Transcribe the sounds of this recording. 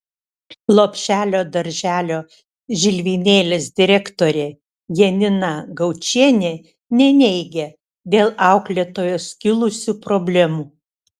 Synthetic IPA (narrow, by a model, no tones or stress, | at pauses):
lˠoːpʲʃʲæːlʲoːd̪ɐɾʲʒʲæːlʲoː | ʒʲɪlʲʋʲiːnʲeːlʲeːsd̪ʲɪɾʲɛkt̪oːɾʲeː | jɛnʲɪnɑɡɐʊt͡ʃʲiɛnʲeː | nʲɛnʲɛɪɡʲɛ | d̪ʲeːlˠɑˑʊklʲeːt̪oːjoːskʲɪlˠʊsʲupɾobʲlʲɛmuː